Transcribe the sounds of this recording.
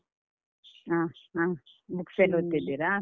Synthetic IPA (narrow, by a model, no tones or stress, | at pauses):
aãmukselot̪ːid̪iɾa